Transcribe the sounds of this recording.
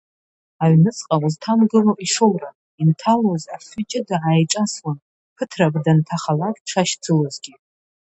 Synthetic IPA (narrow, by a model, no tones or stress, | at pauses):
aɥnɨt͡sʼqʼauztʰamɡɨlaʔʼiʂowra | intʰalozaχʏt͡ʃʼɪdaʕajʈ͡ʂʼaswan | pʰɨtʰrabdantʰaχalakʼʈ͡ʂʷʰaʃd͡zʰɨlozɡʲi